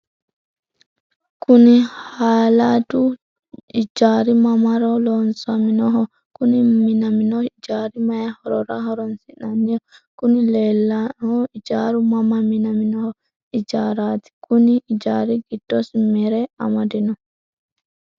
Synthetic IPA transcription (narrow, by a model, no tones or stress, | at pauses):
kunihaːladu | id͡ʒaɾimamaɾɔlɔnsaminɔɦɔ | kuniminaminɔid͡ʒaɾimajahɔɾɔɾahɔɾɔnsinanːijɔkunilɛlːahɔid͡ʒaɾumamaminaminɔhɔ | id͡ʒaɾat̪i̥kuniːd͡ʒaɾiɡidːɔsmɛɾɛa̰madinɔ